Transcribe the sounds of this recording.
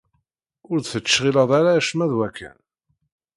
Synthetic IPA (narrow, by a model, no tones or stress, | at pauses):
ʊɾθət͡sːʃʁilɑðˤaɾaʃmæðwækʰːæ̰n